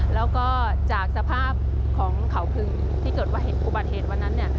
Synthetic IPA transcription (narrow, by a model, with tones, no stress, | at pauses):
lɛː˦˥wkɔː˥˩ | t͡ɕaː˨˩k̚sa˧pʰaː˥˩p̚ | kʰɔː˩˦ŋkʰa˩˦wpʰɯ˧˩ŋ | t̪ʰiː˥˩kɤː˨˩t̪̚waː˥˩ɦe˩˦npʰuː˧˩ba˨˩t̪̚heː˨˩t̪̚wa˧nːa˦˥nːi˥˩ɐ